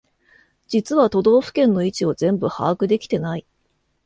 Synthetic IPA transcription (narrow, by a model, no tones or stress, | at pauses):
d͡ʑit͡sɨβat̪o̞d̪o̞ːɸɯ̟̥kẽ̞nːo̞it͡ɕio̞zẽ̞mbɯ̟ha̰ːkɯ̟d̪e̞kʲi̥t̪e̞nai